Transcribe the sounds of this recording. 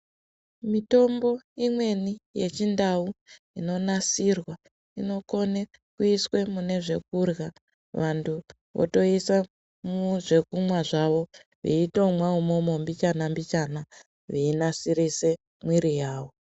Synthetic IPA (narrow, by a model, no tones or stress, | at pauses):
mito̞mbo̞imwe̞nije̞t͡ʃindau | ino̞nasirwa | ino̞ko̞ne | kuiswe̞mune̞ʐe̞kurɣa | ʋantʰu | ʋʔo̰to̞isa | mʐe̞kumwaʐaʋo̞ | ʋḭito̞mwaumomo̞mbit͡ʃanambit͡ʃana | ʋiːnasiɾise̞ | mwiɾijaːwo̞